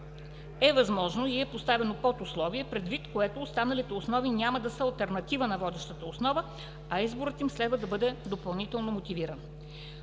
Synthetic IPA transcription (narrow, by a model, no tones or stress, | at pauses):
ɛvɐzmɔʒnoiɛpost̪avɛnopɔt̪ʊslˠɔviɛpɾɛd̪vit̪koɛt̪oːst̪anɐlit̪ɛʊsnɔvinʲaməd̪ɐsəɐlˠt̪ɛɾnɐt̪ivənɐvɔd̪ɛʃt̪ət̪əosnɔvə | ɐizboɾət̪imslɛd̪vɐd̪ɐbɤd̪ɛd̪opɐlˠnit̪ɛlˠnomot̪ʲiviɾən